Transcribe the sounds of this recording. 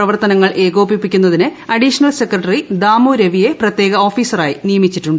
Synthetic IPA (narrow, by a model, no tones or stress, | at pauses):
prɐʋɐrt̪ɐnɐŋːɐɭʔe̞ːɣo̞ːpipːikʲːunːɐðinɨɐɖiʂɐnɐlse̞kːrɐʈːɐrid̪aːmuːɾeʋije̞prɐt̪je̞ːɡɐo̞ːfiːsɐraːjinijɐmit͡ɕːiʈːuɳɖɨ